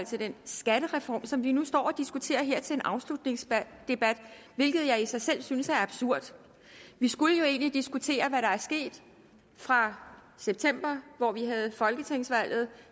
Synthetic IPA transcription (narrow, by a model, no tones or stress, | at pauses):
l̰t͡sʰe̝d̥ensɡ̥æɾ̥əʁɛfɒ̰ːmsɒ̽mʋinusd̥ɒ̰ːɒ̽d̥isɡ̥ut͡sʰe̝̰ːɐɦe̝ɐ̰t͡sʰe̝le̝nʔɑ̈ʊslud̥ne̝ŋsd̥e̝b̥æd̥ | ʋe̝lɡ̥ð̞̩ˠjɑ̈ɪisɑ̈ɪsel̰synəsæɐɑb̥suɐ̰d̥ | ʋisɡ̥uləjo̝e̝̰ːnlid̥isɡ̥ut͡sʰe̝̰ːɐʋæɾɑ̈æɐsɡ̥e̝̰ːd̥ | fʁɑ̈ | seb̥̚t͡sʰem̰b̥ɐʋɒʋiɦæð̞̩ˠfɒ̽lɡ̥ət͡sʰeŋ̰sʋæl̰ð̞̩ˠ